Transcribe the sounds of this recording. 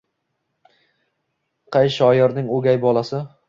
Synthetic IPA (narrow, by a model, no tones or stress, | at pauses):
qʰɑjʃɒjɒɾnɪŋoɡʲajbɒlˠasɪ